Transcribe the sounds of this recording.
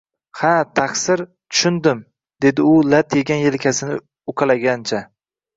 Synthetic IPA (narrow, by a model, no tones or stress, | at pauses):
hat̪ʰaksɪɾ | t̪ʰʊ̥ʃʊnd̪ɪm | d̪e̞d̪ɪʊlat̪jeɡʲanjelɪkʲʰasɪnɪ | ʊkʰɑlaɡʲant͡ʃʰa